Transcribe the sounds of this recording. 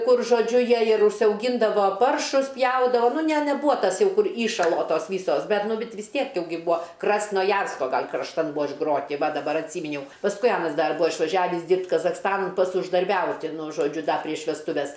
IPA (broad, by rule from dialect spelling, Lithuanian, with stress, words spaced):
ˈkʊr ʒoːˈd͡ʒʲʊ ˈjiɛ ɪr ʊʃʲsʲɛʊˈɡʲiːndɐʋoː ˈpɐrʃʊs ˈpʲjɛʊdɐʋoː ˈnʊ nʲɛ nʲɛˈbuːɐ ˈtɐs ˈjɛʊ ˈkʊr ˈiːʃɐlˠoː ˈtoːs ˈʋʲiːsoːs ˈbʲɛt ˈnʊ ˈbʲɛt ʋʲɪs ˈtʲiɛk ˈjɛʊ ˈɡʲɪ ˈbuɔ krɐsnoːˈjɛrskoː ˈɡɐlʲ krɐʃˈtɐn ˈbuɔ ɪʒˈɡroːtʲɪ ˈʋɐ dɐˈbɐr ɐtʲˈsʲiːmʲɪnʲɛʊ pɐsˈkʊɪ ˈɑːnɐs ˈdɐr ˈbʊɐ ɪʃʋɐˈʒʲæːʋʲɪs ˈdʲiːrʲpʲtʲ kɐzɐxˈstɑːnɐn ˈpɐts ʊʒdɐrʲˈbʲɛʊtʲɪ ˈnʊ ʒoːˈd͡ʒʲʊ ˈdɐ pʲrʲiɛʃ ʋʲɛsˈtʊʋʲɛs